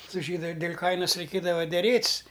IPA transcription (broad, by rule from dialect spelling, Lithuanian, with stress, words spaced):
sʊ ˈʒʲiːdʊ dʲeːlʲ ˈkɐɪnɐs rʲɛɪˈkʲeːdɐʋɐ dʲɛˈrʲeːtʲsʲ